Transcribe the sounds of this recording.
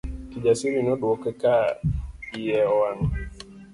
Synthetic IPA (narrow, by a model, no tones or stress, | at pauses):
kid͡ʒasiɾinɔɗuɔkeka | ijɛɔwan